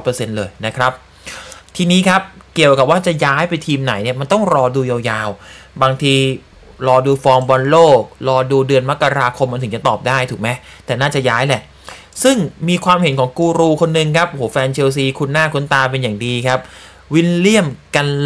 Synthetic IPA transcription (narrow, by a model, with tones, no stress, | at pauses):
pɤː˧se˧nlɤː˧jna˦˥kʰɾa˦˥p̚ | t̪ʰiː˧niː˦˥kʰa˦˥p̚ki˨˩əwka˨˩p̚waː˥˩t͡ɕa˨˩jaː˦˥jpa˧jt̪ʰiː˧mna˨˩˦jni˥˩ɐma˧nt̪ɔ˥˩ŋɾɔː˧duː˧jaː˧wjaː˧wbaː˧ŋt̪ʰiː˧ | ɾɔː˧duː˧fɔː˧ŋbɔ˧nloː˥˩k̚ɾɔː˧duː˧dɯ˧ənma˦˥kːa˧ɾaː˧kʰo˧mːa˧t̪ʰɯ˩˦ŋt͡ɕa˨˩t̪ɔː˨˩p̚daː˥˩jt̪ʰuː˨˩k̚ma˦˥jt̪ɛː˨˩naː˥˩t͡ɕa˨˩jaː˦˥jlɛ˨˩ʔ | sɯ˥˩ŋmiː˧kʰwaː˧mhe˨˩˦nkʰɔː˩˦ŋkuː˧ɾuː˧kʰo˧nːɯ˨˧ŋkʰa˦˥p̚hoː˩˦fɛː˧nt͡ɕʰeː˧ws̬iː˧kʰu˧nːaː˥˩kʰu˧˦nt̪aː˧p̬e˧njaː˨˩ŋdiː˧kʰa˦˥p̚ | wi˦˥nli˥˩əmka˧n